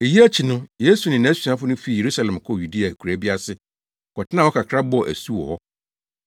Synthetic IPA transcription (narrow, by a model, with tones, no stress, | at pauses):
e˨ji˦æ˦t͡ɕʰi˨nʊ̃˦je˦su˨nɪ̃˨nã˨˦si˨ã˦fʊ˦nʊ̃˦fi˦˨je˨ɾu˦sa˨lɛ̃˨mkʰɔ˦˨ju˨di˦a˨kʰɾæ˨bi˦a˦sɪ˦ | kʰɔ˨tʰɪ˦nã˦˨wɔ˦kʰa˨kʰɾa˦bɔ˦˨ʔæ̰˨su˦wɔ̰˨hɔ˦